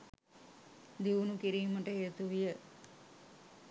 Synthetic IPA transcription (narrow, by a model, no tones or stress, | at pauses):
d̪iʋunukiɾiːməʈəɦeːt̪uʋijə